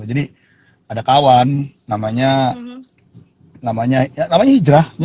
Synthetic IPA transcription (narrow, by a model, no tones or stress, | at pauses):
d͡ʒadi | adakawanː | amaɲa | namaɲaanamaɲahid͡ʒɾahɲ